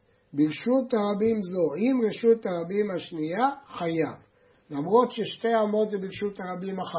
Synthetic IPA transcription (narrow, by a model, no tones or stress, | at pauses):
bilʃutaʁabimzo̞imʁeʃutaʁabimhaʃnijaχajav | lamʁo̞tʃeʃte̞amo̞t̪zebilʃutaʁabimaχ